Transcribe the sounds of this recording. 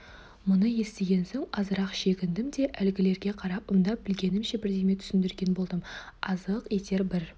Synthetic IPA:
mʊnəje̞st̪e̞ɡʲe̞nsoŋɑzəɾɑqʃe̞ɡʲɪnd̪ɪmd̪e̞ʔælɡʲɪle̞ɾɡʲe̞qʰɑɾɑp̚əmd̪ɑp̚b̥ɪlɡʲe̞nɪmʃe̞bɪɾd̪eme̞t̪ʰʏ̥sɪnd̪ɪɾɡʲe̞nbo̞lˠd̪əmɑzəqe̞t̪e̞ɾbɪɾ

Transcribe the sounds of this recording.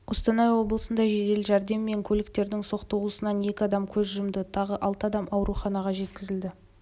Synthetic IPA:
wost̪ɑnɑjwo̞blˠəsənd̪ɑʒe̞d̪e̞lʒæɾd̪e̞mːe̞ŋkʲʰɵlɪk̚t̪e̞ɾd̪ɪŋso̞qt̪owlˠəsənɑnje̞kʲɪɑd̪ɑmkʲʰɵzʒʊjəmd̪ət̪ʰɑʁəʔɑlˠt̪əɑd̪ɑmʔɑwɾʔuχɑnɑʁɑʒe̞t̪kʲɪzɪld̪ɪ

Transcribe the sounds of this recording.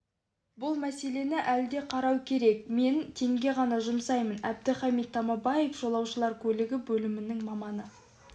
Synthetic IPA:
bʊlˠmæse̞le̞nɪʔæld̪e̞qʰɑɾɑwkʲʰe̞ɾe̞k̚me̞nt̪ʰe̞ŋɡʲe̞ʁɑnɑʒʊmsɑjmənæb̚d̪ɪχɑmit̪̚t̪ʰːɑmɑbɑjefʒ̥o̞lˠɑwʃəlˠɑɾkʲʰɵlɪɡʲɪbɵlɪmɪnɪŋmɑmɑnə

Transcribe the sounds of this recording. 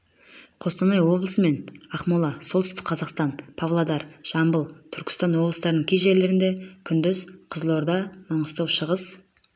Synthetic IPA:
qʰo̞st̪ɑnɑjwo̞blˠəsəme̞nɑχmulˠɑsolt̪ʏst̪ɪ̥k̚ʲqʰɑzɑqst̪ɑnpʰavlˠad̪ɑɾʒ̥ɑmbəlˠt̪ʰʏɾkʲɪ̥st̪ɑnwo̞blˠəst̪ɑɾənəɴkʲʰejʒe̞ɾle̞ɾɪnd̪e̞kʲʰʏnd̪ɪzqʰəzlˠoɾd̪ɑmɑɴəst̪ɑwʃəʁəz

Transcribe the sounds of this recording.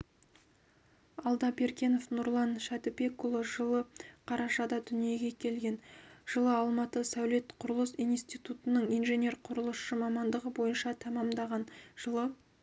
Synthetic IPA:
ɑlˠd̪ɑbe̞ɾkʲe̞no̞fnʊɾlˠɑnʃæt̪ɪpe̞kːʊlˠoʒəlˠəqʰɑɾɑʃɑd̪ɑd̪ʏnije̞ɡʲe̞kʲʰe̞lɡʲe̞nʒ̥əlˠəɑlˠmɑt̪əsæwle̞t̪qʰʊɾəlˠəsijnst̪ijt̪ut̪ənəɴijnʒe̞nʲe̞ɾqʰʊɾəlˠəsʃəmɑmɑnd̪əʁəbo̞jənʃɑt̪ʰɑmɑmd̪ɑʁɑnʒəlˠə

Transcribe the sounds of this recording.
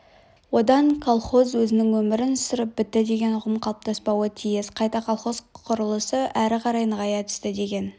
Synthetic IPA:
wo̞d̪ɑɴkʰolˠχo̞zwɵzɪnɪŋwɵmɪɾɪnsəɾəp̚bɪt̪ːɪd̪e̞ɡʲe̞nʊʁəmqʰɑlˠəp̚t̪ɑspɑwət̪ʰijɪsqʰɑjt̪ɑqʰalˠχo̞zqʰʊɾəlˠəsəʔæɾɪqʰɑɾɑjnʁɑjɑt̪ʰʏ̥st̪ɪd̪e̞ɡʲe̞n

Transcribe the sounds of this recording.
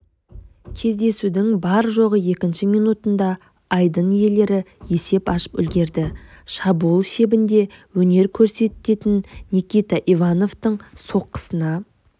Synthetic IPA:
kʲʰe̞zd̪e̞sud̪ɪŋbɑɾʒo̞ʁəje̞kʲɪnʃɪmijnut̪ənd̪ɑ | ɑjd̪ənije̞le̞ɾɪje̞se̞pɑʃə̥pʏ̰lɡʲe̞ɾd̪ɪʃɑbulˠʃe̞bɪnd̪e̞wɵne̞ɾkʲʰɵɾse̞t̪ːe̞t̪ɪnːʲikʲijt̪ɑʔivano̞vt̪əɴso̞qːə̥sənɑ

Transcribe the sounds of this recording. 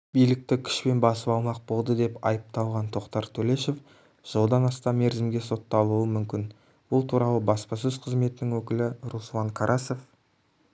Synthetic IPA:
b̥ijlɪk̚t̪ɪkʲʰʏ̥ʃpe̞nbɑsəpɑlˠmɑq̚bo̞lˠd̪əd̪e̞pɑ̰jəp̚t̪ɑlˠʁɑnt̪ʰo̞qt̪ɑɾt̪ʰɵle̞ʃe̞f | ʒ̥olˠd̪ɑnɑst̪ɑmːe̞ɾzɪmɡʲe̞so̞t̪ːɑlˠuəmʏmkʲɪn | bʊlˠt̪ʰuɾɑlˠəbɑspɑs̬ɵz̥qʰəzme̞t̪ɪnɪŋwɵkʲɪlɪɾuslˠɑŋkʰɑɾʔɑse̞f

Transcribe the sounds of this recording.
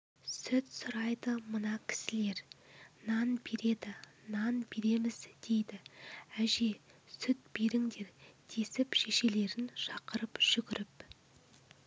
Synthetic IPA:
sʏt̪sʊɾɑjd̪əmənɑkʲʰɪ̥sɪle̞ɾnɑnbe̞ɾe̞d̪ɪnɑnbe̞ɾe̞mɪzd̪̥e̞jd̪ɪæʒe̞sʏt̪̚b̥e̞ɾɪŋd̪e̞ɾd̪̥ʰe̞sɪpʃe̞ʃe̞le̞ɾɪnʃɑqəɾəpʒ̥ʏɡʲɪɾɪp

